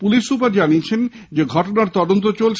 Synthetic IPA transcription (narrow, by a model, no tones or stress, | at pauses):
puliʃːupaɾd͡ʑaniet͡ɕʰend͡ʑeɡʱɔʈonaɾt̪ɔd̪ont̪ot͡ɕolʰ